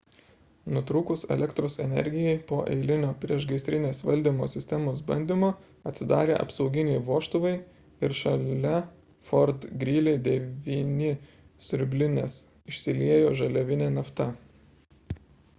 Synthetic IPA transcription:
nʊt̪ɾuːkʊsɛ̰lʲɛkt̪ɾoːsɛ̰nʲɛ̰ɾʲɡʲɪjɛɪpoːʔɛ̰ɪlʲɪnʲoːpʲɾʲiɛʃɡɐɪst̪ʲɾʲɪnʲeːsʋɐlʲd̪ʲiːmo̰ːsʲɪsʲt̪ʲɛmoːs̬bɐ̰nʲd̪ʲiːmoː | ɐt̪ʲsʲɪd̪ɑːɾʲḛːʔɐ̰psɒʊɡʲɪnʲɛɪʋuɔʃt̪ʊʋɐɪ | ɪɾʃɐlʲɛ | fɔɾt̪ɡɾʲiːlʲeɪd̪ʲɛʋʲiːnʲɪ | sʲʊɾʲbʲlʲɪnʲeːs | ɪʃʲsʲɪlʲiɛjoːʒɐlʲɛʋʲɪnʲeːnɐft̪ɐ

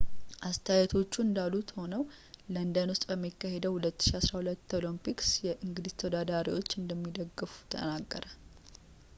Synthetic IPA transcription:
ʔast̪ʰajat̪ʰo̞t͡ʃːuɨnd̪alːut̪ho̞nəw | lənd̪ənwʊst̪ʼbəmːikːaɦe̞d̪əwhulət̪ːɨ̥ʃiasɾahulət̪ːolompiksjɛʔɨŋɡɨd̪ist̪ʰəd̪ad̪aɾḭwo̞t͡ʃːɨnd̪əmːid̪əɡːɨfu̥t̪ʰə̰naɡːəɾə

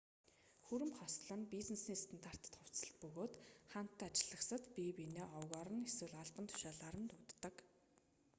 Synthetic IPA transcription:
xuɾɘ̆mχɔsɮə̆npit͡snesniːst̪ʰănt̪ar̥t̪ə̥̆t̪χʊw̥t͡sə̆ɬt̪̚pɵɣoːt̪χan̥t̪ːæːat͡ɕɪ̆ɮə̆ksə̆t̪pipineːʔɔwɣɔɾə̆neswɘ̆ɮaɮpə̆nt̪ʰʊ̥ʃaːɮaːɾə̆nt̪ʊt̪ːə̆k

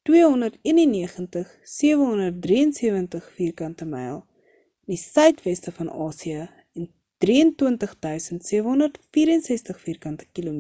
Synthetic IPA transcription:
twiəɦɔndərtiənənːiəχəntəχsiəvəɦɔndərt̚driənsiəvəntəχfiːrkɐntəmɛ̰jlˠ | ndisœɥtvɛstəfɐnɑːsiə | ɛn | d̥riəntuəntəχdœɥsəntsiəvəɦɔndərtfiːɾənsɛstəχfiːrkɐntə̥kilum

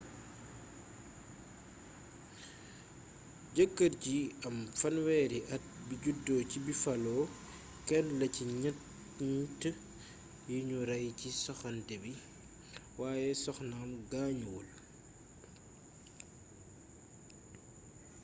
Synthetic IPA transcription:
ɟəkːɐrciɐmfɐnwɛːɾiʔɐt̚biɟudːɔːcibifɐlɔː | kɛnlɐciɲɐt | ɲtː | jiɲuɾɐjcisɔxɐntɛbi | waːjɛsɔxnamɡaːɲwul

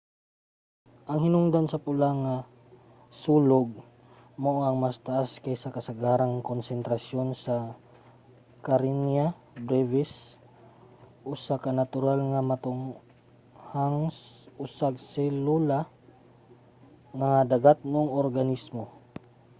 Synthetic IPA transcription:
ʔɐŋhɪnʊŋd̪ansɐpʊlaŋa | suːloɡ̚ | moʔoɐŋmɐst̪aʔaskajsɐkɐsɐɡaɾaŋkonsɛnt̪ɾasjo̞nsɐ | kaɾinja | bɾɛvɪs | ʔʊsakɐnat̪ʊɾalŋamɐt̪ʊŋ | haŋsʔʊsaɡsɛlula | ŋad̪ɐɡat̪̚nʊoŋoɾɡɐnismo

